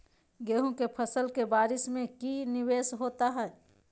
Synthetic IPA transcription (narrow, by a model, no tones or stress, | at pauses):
ɡeːɦũkepʰəsəlkebaːɾɪsmẽkinɪʋeːsɦoːt̪aɦɛː